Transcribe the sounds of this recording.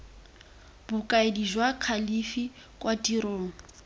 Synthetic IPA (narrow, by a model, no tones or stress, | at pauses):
bʊkʼaediʒwakʰalifi | kʼwatiɾoːŋ̩